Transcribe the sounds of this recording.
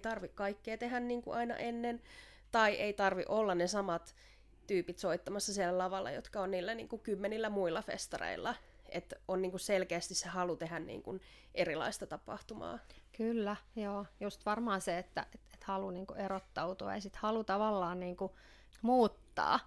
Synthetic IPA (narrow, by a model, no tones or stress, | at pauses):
t̪ɑrʋikkɑikːeːt̪ehænniːŋkuʔɑinɑ̰ʔenːen | t̪ɑiʔeit̪ɑrʋḭʔolːɑnnesɑmɑt̪ | t̪yːpit̪soit̪ːɑmɑsːɑsielːælɑʋɑlːɑ̰jo̰t̪kɑonniːlːænḭːŋkukymːenilːæmuilːˑɑfḛst̪ɑrḛilːɑ | et̪oniːŋkusselkeːst̪issehɑlut̪ehænnḭːŋkun | ʔerilɑ̰ist̪ɑt̪ɑpɑ̰ht̪umɑ̰ːkylːæjoːjust̪ʋɑrmɑːseet̪ːæ̰ʔet̪et̪hɑluniːŋkuʔerot̪ːout̪uɑ̰ḛsit̪hɑlut̪ɑʋɑlːɑːnniːŋku | muːt̪ːɑ̰ː